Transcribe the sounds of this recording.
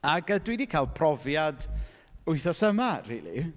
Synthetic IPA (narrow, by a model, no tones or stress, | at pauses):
aɡədwidikʰalˠpʰrɔvjad | ʊɨθɔsəmarḭːlˠḭ